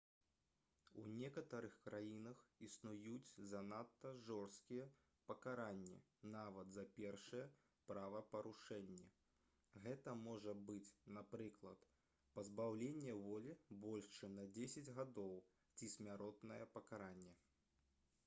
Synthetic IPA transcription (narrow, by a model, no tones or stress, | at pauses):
ṵnʲɛkɐt̪ɐɾɨxkɾajinɐxisnujut͡sʲzɐnat̪ːɐʐɔrst̪kʲijɛ | pɐkaɾanʲːɛ̰ | navɐt̪zɐpʲɛrʂɐjɛ | pɾavɐpɐɾuʂɛnʲːɛ | ɣɛt̪ɐmɔʐɐbɨt͡sʲnapɾɨklˠɐt̪ | pɐzbawlʲenʲːɛvɔlʲibɔlʲʂt͡ʂɨnɐd͡zʲesʲɐd͡zʲɣad̪ɔw | t͡sʲisʲmʲaɾɔt̪nɐjɛpɐkaɾanʲːɛ